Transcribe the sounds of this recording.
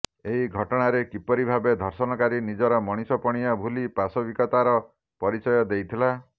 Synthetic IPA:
eɦiɡʱɔʈɔɽ̃aɾekipɔɾibʱabed̪ʱɔɾsɔnɔkaɾinid͡ʒɔɾɔmɔɽ̃isɔpɔɽ̃ijɔbʱulipasɔbikɔt̪aɾɔ | pɔɾit͡ʃɔjɔd̪ejt̪ʰila

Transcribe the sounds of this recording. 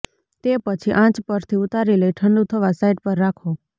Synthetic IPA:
t̪epət͡ʃʰiʔãt͡ʃpəɾt̪ʰiʊt̪aɾiləiʈʰəɳɖut̪ʰəʋasaiɖpəɾːakʰo

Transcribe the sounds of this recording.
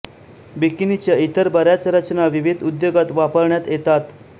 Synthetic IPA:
bikinit͡ɕjait̪əɾbəɾjat͡sɾət͡ɕnaʋiʋid̪ʱud̪joɡat̪ʋapəɾɳjat̪jet̪at̪

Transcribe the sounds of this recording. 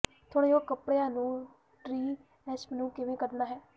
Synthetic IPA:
t̪ʰoːɽeːoːkəpɽejãːnũː | ʈɾiː | ɛsmnũːkɪʋẽːkəɾnaːɦɛː

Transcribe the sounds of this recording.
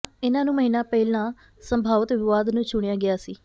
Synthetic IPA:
ɪnãːnũːməɦiːnãːpɛɪlãː | səmbʱaːʋət̪ʋɪʋaːd̪nũːt͡ʃʊɽ̃ɪjãːɡɪjaːsiː

